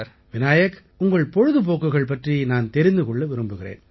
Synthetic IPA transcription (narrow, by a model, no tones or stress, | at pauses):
ʋɪnaːjɐk | ʊŋɡɐɭpɔɻɯðɯp̬oːkːɯɣɐɭp̬ɐʈrijnaːnt̪ɛɾɪnd̪ɯkɔɭːɯʋɪɾɯmbɯɣɪrḛːn